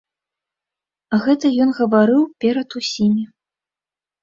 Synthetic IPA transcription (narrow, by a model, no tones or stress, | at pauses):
ɣɛt̪ɐjɔnɣɐvaɾɨwpʲɛɾɐt̪usʲimʲi